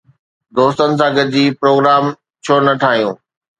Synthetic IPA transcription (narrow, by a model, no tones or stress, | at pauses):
d̪oːst̪ənɪ̆s̬ãːɡɐd͡ʑiːpɾoːɡɾaːm | t͡ɕʰoːnɐʈʰaːɦijũː